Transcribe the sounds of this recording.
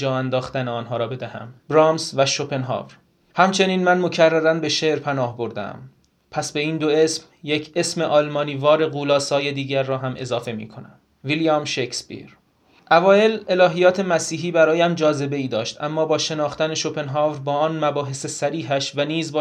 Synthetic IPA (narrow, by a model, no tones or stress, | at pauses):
d͡ʒɒːænd̪ɒːxt̪æneɒːnɦɒːɾɒːbe̞d̪æhæ̰mbɾɑːmsvæʃo̞pʰe̞nɦɑ̰ːvɾ | hæmt͡ʃʰe̞niːnmænmo̞cʰærːæɾænbe̞ʃe̞ʔɾpʰænɒːhbo̞ɾd̪ḛm | pʰæsbe̞iːnd̪oe̞sm | jecʰe̞smeʔɒːlmɒːniːvɒːɾe̞ɣuːlɒːsɒːje̞d̪iːɟæɾːɒːɦæmʔe̞̰zɒːfe̞mḭːkʰo̞næm | vilijɒmʃekspḭɾ | ʔævɒːje̞le̞lɒːɦijɒːt̪ʰe̞mæsiːɦiːbæɾɒːjæmd͡ʒɒːze̞be̞iːd̪ɒːʃt̪ʔæ̰mːɒːbɒːʃe̞nɒːxt̪æne̞ʃo̞pe̞nɦɑːvɾbɒːɒːnmæbɒːɦe̞se̞sæɾiːɦæʃvæniːzbɒː